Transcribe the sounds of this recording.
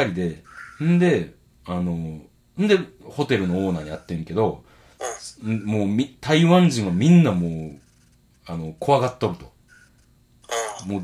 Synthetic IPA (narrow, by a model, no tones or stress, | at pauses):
aɾʲid̪e̞ɯ̃nd̪e̞ | ano̞ | ɯ̃nd̪e̞ho̞t̪e̞ɾɯ̟no̞oːnaːɲ̟ijat̪ːẽ̞ŋke̞d̪o̞ | moːmʲit̪aiβãɲ̟d͡ʑĩɰ̃amʲĩnːamoː | ano̞kʰo̞βaɡat̪ːoɾɯ̟t̪o̞̥ | moː